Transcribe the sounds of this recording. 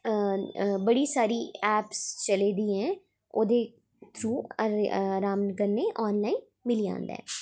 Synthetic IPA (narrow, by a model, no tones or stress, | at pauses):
bəɽiːsaːɾiːɛːpst͡ʃəleːd̪iːɦɛ̃ː | oːd̪eː | t̪ʰɾuː | ɾaːmnkəɾneːʔɔːnlaːin | mɪliːã̰ːnd̪eɛ̰ɛ̰̃ː